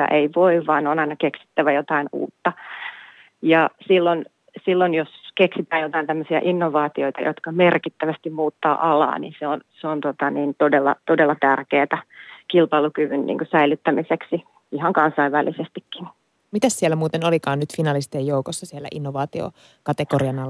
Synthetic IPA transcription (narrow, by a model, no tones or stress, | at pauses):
jɑ̰ʔeiʋoiʋʋɑːnonɑinɑkeksi̥t̪ːæʋæjot̪ɑinṵːt̪ːɑ | jɑsilːon | silːonjoskeksit̪æːjot̪ɑint̪æmːøsiæ̰ʔinːoʋɑːt̪ioit̪ɑ̰jo̰t̪kɑmerkit̪ːæʋæst̪immuːt̪ːɑ̰ːʔɑlɑ̰ːnḭnseonseont̪ot̪ɑniːnt̪odelːɑ̰t̪odelːɑt̪ærkeːt̪ækilpɑilukyʋynnḭːŋkosæilyt̪ːæmiseksi | ihɑŋkɑnsɑiʋʋælisest̪ikːin | mit̪æssiɛlːæmuːt̪enolikɑːnnyt̪finɑlist̪ejjoukosːɑsielːæ̰ʔinːoʋɑːt̪io̰ | kɑt̪ekoɾiɑnɑlː